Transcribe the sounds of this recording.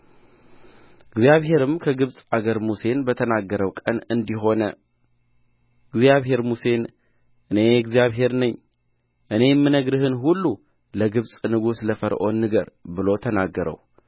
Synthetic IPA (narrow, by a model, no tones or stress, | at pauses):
ʔɨɡzjaβɦe̞ɾɨmkʰəɡɨβsʼhaɡəɾmuse̞nbət̪ʰənaɡːəɾəwkʼənɨnd̪iɦo̞nə | ɨɡzjaβɦe̞ɾmuse̞n | ʔɨne̞ɨɡzijaβɦe̞ɾnɨɲː | ʔɨne̞mːɨnəɡɾɨɦɨnɦulːu | ləɡɨβsʼnɨɡusləfəɾʔo̞̰nːɨɡəɾbɨlo̞t̪ʰənaɡəɾə̰w